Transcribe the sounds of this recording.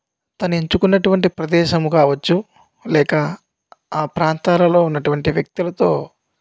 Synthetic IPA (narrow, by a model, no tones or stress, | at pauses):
t̪ɐneɲt͡ʃukunːɐʈuʋɐɳʈipɾɐd̪ɛːʃɐmukaːʋɐt͡ʃːu | lɛːkɐ | aːpɾaːnt̪aːlɐlo̞ːunːɐʈuʋɐɳʈiʋjɐk̚t̪ulɐt̪o̞ː